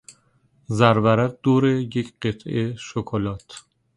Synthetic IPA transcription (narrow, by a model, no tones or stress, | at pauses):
zæɾvæɾæɡ̚d̪̥oːɾejecʰɢet̪ʰʔeʃokʰolɒːt̪ʰ